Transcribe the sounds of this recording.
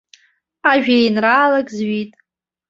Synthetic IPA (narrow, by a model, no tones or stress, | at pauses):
aʒᶣejnraːlakʼzɥitʼ